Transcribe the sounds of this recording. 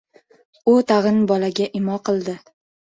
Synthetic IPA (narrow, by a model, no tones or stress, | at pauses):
ʊt̪ʰaʁɨnbɒlaɡʲaʔɪmɒqʰɨlˠd̪ɪ